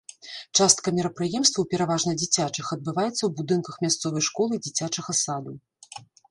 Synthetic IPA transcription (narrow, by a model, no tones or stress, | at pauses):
t͡ʂast̪̚kɐmʲɛɾɐpɾɨjɛmst̪vɐwpʲɛɾavaʐnɐd͡zʲit͡sʲat͡ʂɨxɐd̪̚bɨvajɛt̪sːɐwbud̪ɨnkɐxmʲast̪sɔvɐjʂkɔlˠɨd͡zʲit͡sʲat͡ʂɐɣɐsad̪u